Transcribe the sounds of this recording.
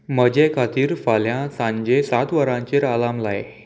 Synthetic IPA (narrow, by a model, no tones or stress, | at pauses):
məd͡ʑekʰat̪iːɾfaljãsãɲd͡ʑesat̪ʋəɾãɲt͡ɕeɾalamlajḛ